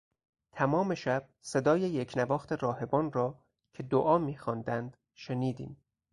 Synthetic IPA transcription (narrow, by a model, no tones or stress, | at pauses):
t̪ʰæmɒːme̞ʃæb̥̚se̞d̪ɒːjejecʰnævɒːxt̪e̞ɾɒːhe̞bɒːnrɒː | cʰe̞d̪oʔɒːmiːxɒːnd̪ænd̪̥ | ʃe̞niːd̪ḭːm